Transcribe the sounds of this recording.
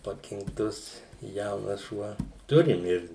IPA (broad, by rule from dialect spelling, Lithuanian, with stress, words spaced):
pɐkʲɪŋkˈtʊs ˈjɛʊnɐs ˈʃuɔ ˈtʊrʲɪm ˈɪr